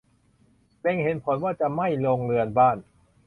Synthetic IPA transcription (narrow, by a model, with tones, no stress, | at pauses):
le˧ŋhe˩˦npʰo˩˦nwaː˥˩t͡ɕa˨˩ma˥˩jloː˧ŋlɯ˧ənbaː˥˩n